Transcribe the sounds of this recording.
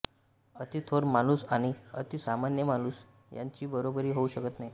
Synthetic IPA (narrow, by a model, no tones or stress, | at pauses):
ət̪it̪ʰoɾmanusaɽ̃iə̰t̪isamanjəmanus | ja̰ɲt͡ɕiːbəɾobəɾiːɦouɕəkət̪naɦi